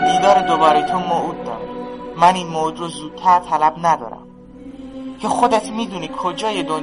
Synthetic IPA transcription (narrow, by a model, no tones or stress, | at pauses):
d̪iːd̪ɒːɾed̪obɒːɾejet̪ʰomoʔuːt̪̚d̪ɒ̰ːɾmæniːnmod̪ɾozuːd̪̚t̪ʰæɾt̪ʰælæbnæd̪ɒ̰ːɾæ̰m | cʰexod̪et̪ʰmiːd̪uːniːkʰod͡ʒɒːjed̪on